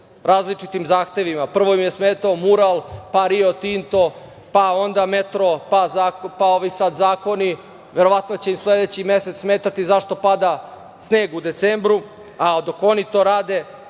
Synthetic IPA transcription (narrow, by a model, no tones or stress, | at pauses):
ɾaːzlit͡ʂit̪imzaːxt̪e̞ʋimapr̩ʋo̞imjesmeːt̪aomuɾalˠpaɾio̞t̪int̪o̞ | pao̞nd̪amet̪ɾopazaːkpao̞ʋisat̪zaːko̞ni | ʋe̞ɾo̞ʋat̪not͡ɕe̞imsled̪et͡ɕimje̞set̪ssmeːt̪at̪izaʃt̪o̞pad̪a | sne̞ːɡud̪e̞t̪sembɾu | ad̪oko̞nit̪o̞ːɾaːd̪e